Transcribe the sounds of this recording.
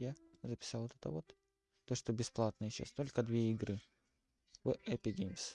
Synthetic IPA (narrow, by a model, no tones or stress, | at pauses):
jazəpʲɪ̥sɑlˠot̪ɛt̪ə̰vot̪ː | oʂt̪obʲɪsplˠat̪nɨjɕa̰st̪o̞lʲkəd̪vʲeɪɡɾɨ | vɨʔɛpʲɪdʲimʲs